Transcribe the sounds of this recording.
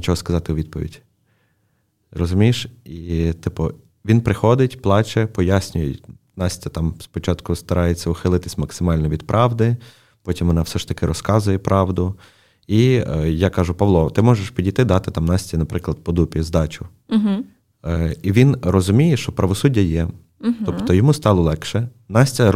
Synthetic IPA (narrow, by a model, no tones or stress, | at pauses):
nʲɪt͡ʃɔɦɔskɐzɑt̪ɪʊʋʲid̪̚pɔʋʲḭdʲ | rɔzʊmʲijʃit̪ɪpʊ | ʋʲinpɾɪxɔd̪ɪtʲplˠɑt͡ʃɛpɔjasʲnʲʊjɛ | nɑsʲtʲɐt̪ɑmspɔt͡ʃɑt̪kʊst̪ɐɾʔɑjet͡sʲːɐʊxɪlˠɪt̪ɪsʲmɐksɪmɑlʲnɔʋʲid̪̚pɾʔɑʋd̪ɪ | pɔtʲimʋɔnɑfsɛʃt̪ɐkɪɾɔskɑzʊjɛpɾʔɑʋd̪ʊ | ijakɑʒʊpɐʋlˠɔt̪ɪmɔʒeʃpʲidʲijt̪ɪd̪ɑt̪ɪt̪ɑmnɑsʲtʲinɐpɾɪklˠɐd̪̚pɔd̪upʲɪzd̪ɑt͡ʃʊ | ɦ | iʋʲinrɔzʊmʲijɛʃɔpɾɐʋɔsudʲːɐjɛ | t̪ɔpt̪ɔjɔmust̪ɑlˠɔlˠɛkʃɛ | nɑsʲtʲɐ